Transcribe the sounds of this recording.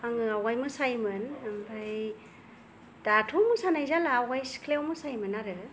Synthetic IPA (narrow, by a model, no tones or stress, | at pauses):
aŋɯawajmɯsajmɯnmbaj | d̥atʰumɯsanajzalaːwajskʰlewmɯsajmɯnaɾɯ